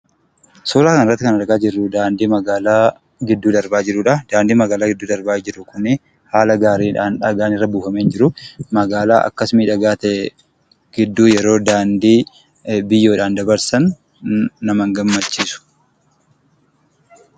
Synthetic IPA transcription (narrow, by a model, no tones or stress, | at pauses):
soːɾaːkɐnɪrːɐt̪ːɪkɐnɐɾɡaːd͡ʒɪrːʊd̪aːnd̪iːmɐɡaːlaː | ɡɪd̪ːuːd̪ɐɾbaːd͡ʒɪɾuːᶑɐd̪aːnd̪iːmɐɡaːlaːɡɪd̪ːuːd̪ɐɾbaːd͡ʒɪɾʊkʊnːɪ | haːlɐɡaːɾiːᶑaːnᶑɐɡaːnɪrːɐbuːfɐmend͡ʒɪɾʊmɐɡaːlaːʔɐ̰kːɐsmiːᶑɐɡaːt̪ɛ | ɡ̥ɪd̪ːuːjɛɾo̞ːd̪aːnd̪iː | bɪjːo̞ːᶑaːnd̪ɐbɐɾsɐnː | ɐmɐŋɡɐmːɐt͡ʃːiːsʊ̥